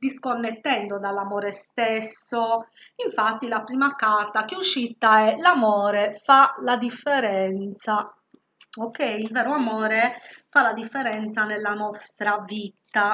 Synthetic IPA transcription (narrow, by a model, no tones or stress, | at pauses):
d̪iskonːet̪ːɛnd̪od̪alːamɔːɾest̪esːoiɱfat̪ːilapɾiːmakart̪ak̟euʃːit̪aɛlamɔːɾɛfalad̪ifːɛɾɛnt̪sa | okːɛjilvɛːɾoamɔːɾɛfalad̪ifːɛɾɛnt̪sanelːanɔst̪ɾavit̪a